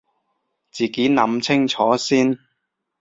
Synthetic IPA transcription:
t͡siː˨ke˨˥nɐ˨˧˥mt͡sʰɪ˥ŋt͡ʃʰɔː˨˥siː˥n

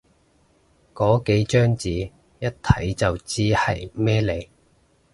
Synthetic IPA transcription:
kɔː˨˥ke˨˥jt͡ʃœː˥ŋt͡siː˨˥ | jɐ˥t̚t̪ʰːɐ˨˥jt͡sɐ˨wt͡siː˥hɐ̰˨jmɛː˥le˨˧j

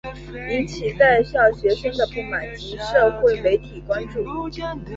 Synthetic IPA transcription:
i˧˥nt͡ɕʰi˨˩t͡sa˥˧ɪɕjɑ˥˩ʊɕɥɛ˧˥ʂɤ˥ŋd̪ə˨pu˥˩ma˨˩nt͡ɕi˧˥ʂɤ˥˧xwe˥˩ɪme˧˥ɪt̪ʰi˨˩kwa˥nʈ͡ʂu˥˩

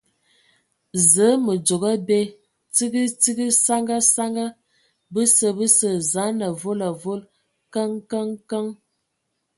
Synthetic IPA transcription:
zə˨˦mə˨d͡ʒo˨ɡə˦be˦ | t͡si˦ɡi˦t͡si˦ɡi˦sa˦ŋɡa˦sa˦ŋɡa˦ | bə˦sə˦˨bə˦sə˨za˨˦nə˨vo˦la˨vo˦l | kə˦ŋkə˦ŋkə˦ŋ

